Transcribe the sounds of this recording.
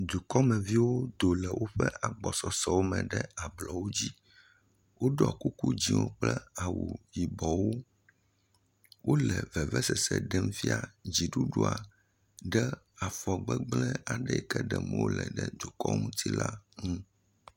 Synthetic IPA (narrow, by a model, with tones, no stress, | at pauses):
d̪u˨kɔ˦mɛ̃˨vi˦wo˦d̪o˨lɛ˨wʔo˦ɸɛ˦ʔa˨ɡ͡bɔ˨sɔ˨sɔ˨wo˦mɛ̃˨ɖɛ˦a˨blɔ˨wo˦d͡ʑi˦ | wo˦ɖa̰˨ku˦ku˦d͡ʑi˦wo̰˦k͡plɛ˦a˨wu˨ji˨bɔ˨wo˦ | wʔo˦lɛ˨vɛ˨vɛ˦sɛ˨sɛ̰˨ɖɛ˦m˦fi˦a˨d͡ʑi˨ɖu˦ɖu˦a˨ | ɖɛ˦ | a˨fɔ˨ɡ͡bɛ˦ɡ͡blɛ˦a˨ɖɛ˦ɛ˨kɛ˦ɖɛ˨mɛ̰̃˦wo˦lɛ̰˨ɖɛ˦d̪u˨kɔ̰˦mũ˦t̪i˦la˦ŋũ˦